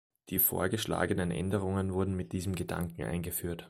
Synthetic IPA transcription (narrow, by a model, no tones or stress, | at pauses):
d̥iːfo̰ːɐɡəʃla̰ːɡənənʔɛ̰ndəʁ̞ʊŋənvʊɐdn̩mɪt̚d̥iːzm̩ɡəda̰ŋkŋ̩ʔa̰ɪnɡəfyːɐt